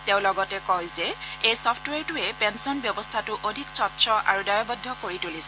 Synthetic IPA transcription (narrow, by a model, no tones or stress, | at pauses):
tẽʊ̃lɔɡɔtɛkɔjzɛejsɔpʰtwɛɹtʊɛpɛnsɔnbjɔbɔstʰatʊʔodʱiksɔtːsɔa̰ɹudaɹɔbɔdʱːɔkoɹitulis